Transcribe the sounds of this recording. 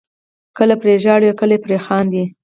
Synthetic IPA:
kəlapɾeʒɑɽjakəlepɾexɑnd̪i

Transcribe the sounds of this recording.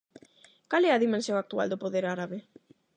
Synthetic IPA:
kalɛɐðimẽnsjõŋak̚t̪ua̰ld̪ʊpoðeɾaɾaβe

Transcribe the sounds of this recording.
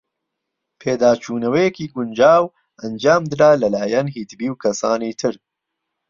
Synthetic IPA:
pʰeːd̪aːt͡ʃʰuːnɐwɛjɛkiːɡʊnd͡ʒaːw | ʔɐnd͡ʒaːmd̪ɨɾaːlɐlaːjanɦiːt̪biːwkʰɐsaːniːt̪ʰɨɾ

